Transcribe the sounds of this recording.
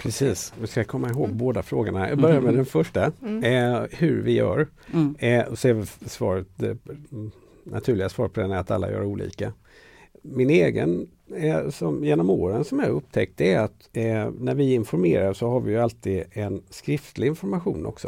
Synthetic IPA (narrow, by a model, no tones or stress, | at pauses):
pʰɾɛsiːsvɪskakʰɔmːaɪɦoːɡ̚boːd̪afɾoːɡəɳajɑ̰ɡbœɾjaɾmɛd̪ɛnfœʂʈa | hɵɾvɪjœ̰ːɾ | ɔsɛvlsvɑːɾət̪̚d̪ɛ | nʔa̰t̪ʰʉ̟ːlɪɡasvɑːɾpʰɔd̪ɛnæɾat̪a̰lːa̰jœ̰ːɾauːlḭːka | mɪneːɡə̰n | sɔmjeːnɔmoːɾənsɔmæɾɵp̚ːt̪ʰɛk̚t̪ɛɾat̪næɾvɪɪnfɔɾmeːɾasɔhaɾvɪjɵalt̪iːd̪ɛnskɾɪft̪lɪɪnfɔɾmaɧuːnʔɔ̰ksɔ